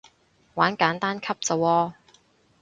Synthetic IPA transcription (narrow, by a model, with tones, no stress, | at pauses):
waː˨˥nkaː˨˥nt̪aː˥nkʰɐ˥p̚t͡sɐ˨˧wɔː˧